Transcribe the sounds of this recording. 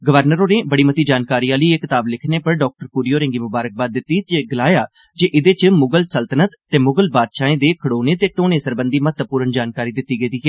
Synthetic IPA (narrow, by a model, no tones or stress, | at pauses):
ɡəʋəɾnəɾoːnẽːbəɽiːmət̪iːd͡ʒaːnkaːɾiːaːləiːeːkɪt̪aːblɪkʰneːpəɾɖɔːk̚ʈəɾpuːɾijoːɾẽːɡiːmʊbaːɾək̚baːd̪ːɪt̪ːiːt͡ʃeɡɪlaːjaː | d͡ʒeːʔɪd̪eːt͡ʃəmʊɡəlsəlt̪ənət̪ət̪eːmʊɡəlbaːd̪ʃaːẽːd̪eːkʰəɽoːneːt̪eːʈoːneːsəɾbənd̪iːmət̪əpuːɾənd͡ʒaːnkaːɾiːd̪ɪt̪ːiːɡəid̪iːɦɛː